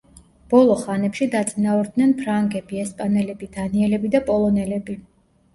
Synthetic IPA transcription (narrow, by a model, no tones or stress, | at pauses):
b̥ɔlˠɔχanɛpʃid̪at̪sʼinauɾd̪nɛnpʰɾaŋɡɛbiɛspʼanɛlɛbid̪̥aniɛlɛbid̪apʼɔlˠɔnɛlɛbi